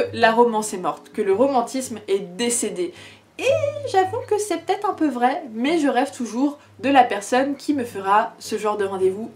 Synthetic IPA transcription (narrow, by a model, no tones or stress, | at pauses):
əlaʁɔmɑ̃sɛmɔʁt̪kələʁɔmɑ̃t̪ismɛd̪esed̪e | eʒafɔ̃kəsɛpə̥t̪ɛt̪χɛ̃pøvʁɛmɛʒəʁɛvt̪ʰuʒuʁ | d̪əlapɛʁsɔnkʲʰiməfəʁasəʒɑ̃ʁd̪əʁɑ̃d̪evu